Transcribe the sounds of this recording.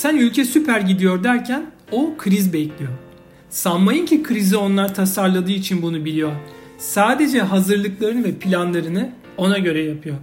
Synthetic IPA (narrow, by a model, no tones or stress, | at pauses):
sænylʲcʰɛsypʰæɾɟid̪ijo̞ɾd̪æɾcʰæn | okʰɯɾizbɛclʲijoɾ | samːajɯncʰikʰɯɾizio̞nlˠaɾt̪ʰasaɾlˠad̪ɯːit͡ʃʰinbunubilʲijo̞ɾ | saːd̪e̞d͡ʒɛɦazɯɾlˠɯklˠaɾɯnɯvɛpʰilʲanlˠaɾɯnɯ | o̞naɟø̞ɾɛjapʰɯjo̞ɾ